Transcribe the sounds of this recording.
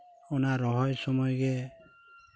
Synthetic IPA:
ɔnaɾɔɦɔjsɔmɔjɡɛ

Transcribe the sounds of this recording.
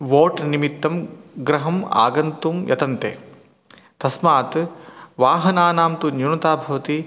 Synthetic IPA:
ʋoːʈnimit̪ːɐmɡɾɐɦɐma̰ːɡɐnt̪umjʔɐ̰t̪ɐnt̪ḛː | t̪ɐsmaːt̪ʋaːɦɐnaːnaːmt̪unjunɐt̪aːbʱɐʋɐt̪i

